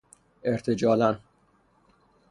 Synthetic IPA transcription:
eɾt̪ʰed͡ʒɒːlæn

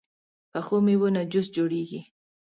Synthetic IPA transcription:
paχʊmɪwʊnad͡ʒʊsd͡ʒʊɾɪjkɪ

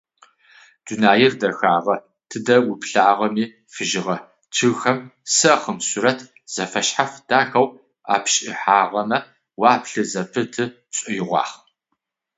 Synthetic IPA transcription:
d̥unaːjɪrdɐxaːʁɐ | tʰɨdɐwʊpɬaːʁɐmiː | fɨʒɪʁɐ | t͡ʃʰɨɣxɐmsɨχəmsuɾɐtʰ | z̥ɐfɐɕħafd̥aːxɐw | a̰ːpɕʼɪħaːʁɐmɐ | waːpʰɬɨzɐpʰɨtʰɨ | t͡sʼʊjɪʁʷɑ̰ːχ

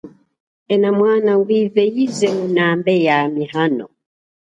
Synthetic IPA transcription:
ɛnamwaːnawivɛizɛunambɛjamihanɔ̰

